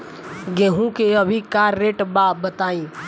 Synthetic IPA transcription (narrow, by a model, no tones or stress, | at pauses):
ɡɛːɦũkeəbʱikaːɾːeːʈbaːbət̪aːĩː